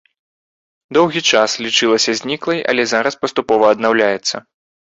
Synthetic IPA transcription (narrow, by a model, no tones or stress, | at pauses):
d̪ɔwɣʲit͡ʂaslʲit͡ʂɨlˠɐsʲɐzʲnʲiklˠɐjɐ̰lʲɛzaɾɐspɐst̪upɔvɐːd̪nawlʲajɛt̪sːɐ̰